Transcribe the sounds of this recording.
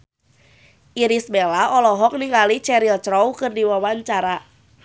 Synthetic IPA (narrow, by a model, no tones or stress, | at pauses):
ʔiɾisbelaɔlɔɦɔk̚niŋɡalit͡ʃɛɾilt͡ʃɾɔwkɨrdiwawaɲt͡ʃaɾa